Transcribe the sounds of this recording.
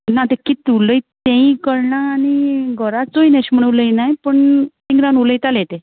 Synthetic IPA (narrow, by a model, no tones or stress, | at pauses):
nat̪ekit̪uləjt̪ːẽĩkəɾɳaːniɡʱəɾat͡soinɛɕm̤əɳəʋləjnajpəɳt̪iŋɡɾanuləjt̪alet̪e